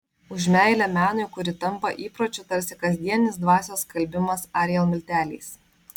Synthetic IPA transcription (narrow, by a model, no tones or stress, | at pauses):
ʊʒʲmʲæˑɪlʲɛmʲæːnʊɪkʊɾʲɪt̪ɐmpɐʔiːpɾoːt͡ʃʲʊt̪ɐɾʲsʲɪkɐzʲd̪ʲiɛnʲnʲɪsd̪ʋɑːsʲoːskɐlʲbʲɪmɐsɑːɾʲjɛlˠmʲɪlʲt̪ʲæːlʲḭːs